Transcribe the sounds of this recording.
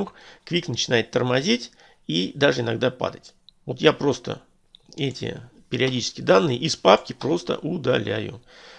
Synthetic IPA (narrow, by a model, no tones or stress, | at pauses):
mɨxkvʲiknət͡ɕɪnajɪt̪ːərmɐzʲitʲ | id̪aʐɨɪnɐɡd̪apa̰d̪ətʲvo̞t̪japɾo̞st̪ə̰ | ɛtʲɪ̰pʲɪɾʲɪɐdʲit͡ɕɪ̥skʲɪjəd̪anːɨjəʔispap̚kʲɪpɾo̞st̪ə̰ʔʊd̪ɐlʲæ̰jʊ̰